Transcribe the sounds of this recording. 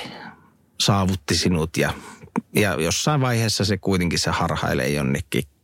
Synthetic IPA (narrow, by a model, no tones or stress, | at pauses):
sɑːʋut̪ːisinut̪jɑjɑ̰josːɑˑiʋʋɑˑiheːsːɑsekuit̪eŋkissehɑrhɑ̰ˑḛlḛˑijonːekːḭː